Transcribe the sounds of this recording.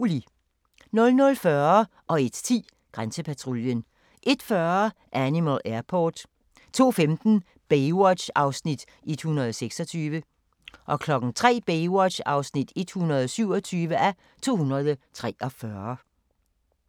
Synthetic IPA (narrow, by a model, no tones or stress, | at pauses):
uli | nɔ̽lnɔ̽lfɶɐ | ʔɒ̽e̝d̥t͡sʰḭː | ɡ̥ʁansəpʰæt͡sʰʁoljən | ʔe̝d̥fɶɐ | ʔænimælʔæɐpʰo̰ːd̥ | t͡sʰo̝̰ːfemd̥n̩ | b̥ewɒ̥ɕɑ̈ʊsnid̥ | e̝d̥hunɐðˠseɡ̥sɒ̽t͡sʰyːʋə | ʔɒ̽kʰlɒ̽ɡ̥n̩t͡sʰʁɛ̰ːb̥eɪwɒ̥ɑ̈ʊsnid̥e̝d̥hunɐð̞ˠɒsyʊ̰ɒ̽t͡sʰyːʋəʔæ | t͡sʰo̝̰ːhunɐð̞ˠət͡sʰʁɛɒ̽fɶɐ